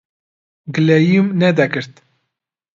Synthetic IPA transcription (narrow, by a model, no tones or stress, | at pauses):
ɡɨlɛjumnɛd̪ɛkɨɾt̪